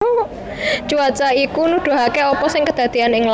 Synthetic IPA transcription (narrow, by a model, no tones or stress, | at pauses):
t͡ʃuat͡ʃaikunuɖ̪̥o̤ɦakeɔpɔsɪŋkəd̪̥ä̤d̪̥i̤anɪŋl